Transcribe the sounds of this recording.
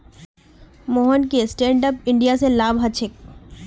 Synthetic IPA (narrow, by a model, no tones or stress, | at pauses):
moɦənkesʈẽːɳɖəp̚ɪ̃ɳɖijaselaːbɦɐt͡ʃʰɪk̚